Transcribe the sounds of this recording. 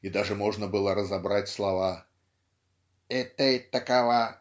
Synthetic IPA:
id̪aʐɨmoʐnəbɨlˠəɾəzɐbɾatʲslˠɐva | ɛt̪əɛt̪ːɐkava

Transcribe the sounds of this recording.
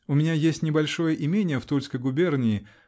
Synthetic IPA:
ʊmʲɪnʲajesʲtʲnʲɪbɐlʲʂo̞jəʔɪmʲenʲɪjəft̪ulʲskəjɡʊbʲernʲɪɪ

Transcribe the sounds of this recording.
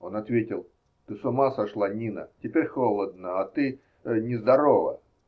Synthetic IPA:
o̞nɐt̪vʲetʲɪlˠ | t̪ɨsʊmasɐʂlˠanʲinə̰tʲɪpʲeɾʲxolˠəd̪̚nəɐt̪ɨ | nʲɪzd̪ɐɾovə̰

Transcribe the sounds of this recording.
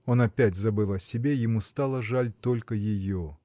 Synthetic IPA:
o̞nɐpʲætʲzɐbɨlˠɐsʲɪbʲejɪmust̪alˠəʐalʲt̪o̞lʲkəjɪjo

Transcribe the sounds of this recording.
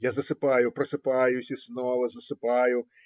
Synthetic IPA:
jazɐsɪpajʊpɾɐsɨpajʊsʲisnɔvɐzɐsɨpajʊ

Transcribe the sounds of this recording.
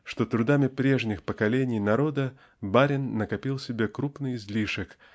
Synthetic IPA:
ʂt̪ot̪ɾʊd̪amʲɪpɾʲe̞ʐnʲɪxpəkɐlʲenʲɪjnɐɾo̞d̪ə | baɾʲɪnːəkɐpʲilˠsʲɪbʲekɾupnɨjɪzʲlʲiʂɨk

